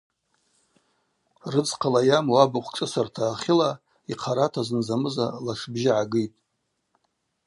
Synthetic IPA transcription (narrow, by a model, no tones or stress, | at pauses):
rɨd͡zqʰalajamuabɨχʷt͡ʃʼɨsartʰaːχʲɪla | iqʰaɾatʰazɨnzamɨzalaʂbʒɪʕaɡɨjtʼ